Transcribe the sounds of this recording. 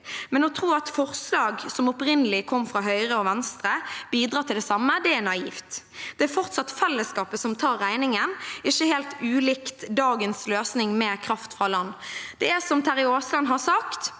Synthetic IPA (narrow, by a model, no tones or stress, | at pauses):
mɛnɔt̪ʰɾuːɑt̪fɔʁslɑːɡsɔmɔpɾɪnəlɪkʰɔmːfɾɑɦœʏɾəɔʋɛnst̪ɾəb̥iːd̪ɾʁɑːt̪ʰɪld̪ɛsɑmːəd̪ɛæɾnɑiːft̪ | d̪̥ɛæfɔʁt̪sɑt̪fɛlːəskɑːpəsɔmt̪ʰɑːɾːæɪnɪŋənɪçːəheːlt̪ʉːlɪkt̪d̪ɑːɡənsløːsnɪŋmɛːkʰɾɑft̪fʁɑlɑnːd̪̥ɛæsɔmt̪ʰæɾɪoːslɑnɦɑsɑkt̪